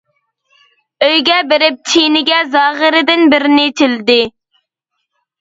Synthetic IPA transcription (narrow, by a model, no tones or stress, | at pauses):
øjɡʲɛbɪɾɪp̚t͡ʃ̪ʰinɪɡʲɛzɑːʁɪɾɪd̪ɪnbɪɾɪnɪt̪ʰɪld̪ɪ